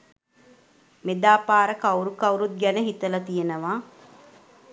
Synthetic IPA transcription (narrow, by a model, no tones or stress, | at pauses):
med̪aːpaːɾəkawɾukɐwɾut̪̚ɡænəɦit̪əlɐt̪ijenəʋaː